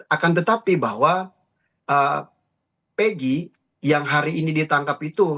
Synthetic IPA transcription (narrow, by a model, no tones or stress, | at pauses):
akant̪̬ət̪apibaɦwa | ʔə | peɡi | jaŋɦaɾiːnidit̪aŋkapit̪u